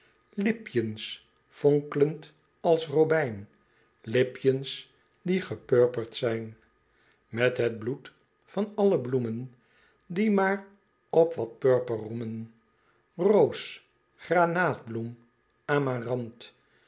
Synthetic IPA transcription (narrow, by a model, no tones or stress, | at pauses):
lɪpjəns | foŋkələnt | ɑlˠsrobɛjn | lɪpjəns | diχəpøɹpəɹtsɛjn | mɛtɦəd̚blut | fɑnɑləblumən | dimaːɹ | ɔpʋɑt̚pøɹpərrumən | rows | χranaːt̚blum | aːmarɑnt